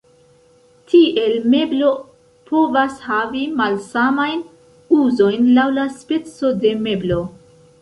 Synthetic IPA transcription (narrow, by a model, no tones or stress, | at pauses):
tʰiʔe̞lme̞blo̞ | pʰo̞vashavimalsamajn | uzo̞jnlawlaspe̞t͡so̞de̞me̞blo̞